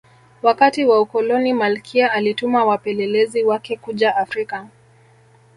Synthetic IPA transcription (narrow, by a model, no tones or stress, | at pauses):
wakatiwaukɔlɔnimalkʰiaalitumawapɛlɛlɛziwakɛkuʄaafɾika